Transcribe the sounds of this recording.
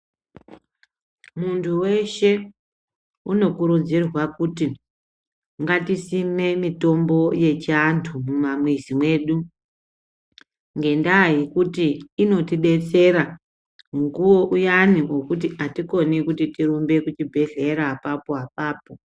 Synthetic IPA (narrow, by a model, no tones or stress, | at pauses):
muntʰuwe̞ʃe̞ | uno̞kuɾud͡zirwakuti | ŋɡatisime̞mito̞mbo̞je̞t͡ʃantʰumumamwezimwe̞ːɗu | ŋɡe̞ndaːɦikutiːno̞tiɗe̞t͡se̞ɾa | muŋɡuwo̞ʔujaniʔokut̬iʔatiko̞nikutitiɾumbe̞kut͡ʃibʱe̞ɮe̞ɾaːpapoɦap̚aːpo̞